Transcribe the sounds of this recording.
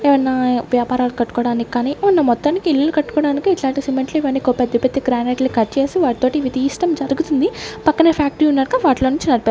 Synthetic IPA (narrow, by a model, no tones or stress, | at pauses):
eːʋɐnːaʋjaːpaːɾaːlukɐʈːu̥kɔːɽaːniki̥kːaːniːunːɐmɔt̪ːaːnikiilːɐlukɐʈːu̥kɔːɽaːnikiːʈlaːɳʈisimeɳʈliʋɐnːikopɛd̪ːɐpet̪ːiɡɾaːneːʈlikɐt͡ʃe̞ːsiʋaːʈit̪o̞ːʈiʋit̪iːsʈɐmd͡ʒɐɾuɡut̪und̪ipɐkːɐnɐpʰaːk̚ʈɾiunːaːɾkaʋaːʈlo̞ːnuɲt͡ʃinɐɾipaːɾu